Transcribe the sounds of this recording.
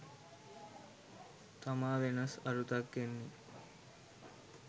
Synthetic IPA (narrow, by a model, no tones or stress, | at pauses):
t̪amaːʋenɐsɐɾut̪ɐkɡenːi